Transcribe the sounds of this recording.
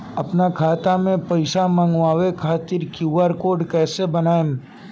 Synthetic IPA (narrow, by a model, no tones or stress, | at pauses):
ɐpnakʰaːt̪amẽpɐɪsamə̃ŋɡʋaːwekʰaːt̪ɪɾkjuːʋaɾkoːɖkɛːsebɐnaːem